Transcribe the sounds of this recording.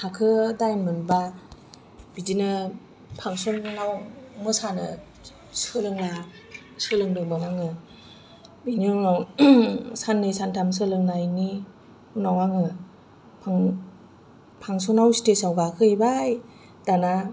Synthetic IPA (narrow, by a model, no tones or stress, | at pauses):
hʰakʰɯdajnmɯnba | bid͡ʒinɯ | pʰaŋsɔnːawmɯsanɯ̰ | sɯlɯŋla | sɯlɯŋdɯŋbaŋaŋɯ | binɯnaw | sanːɯjsantʰams̬ɯlɯŋnajni | unawaŋɯ | pʰaŋ | pʰaŋsɔnawsi̥tesawɡakʰɯibaj | d̥ana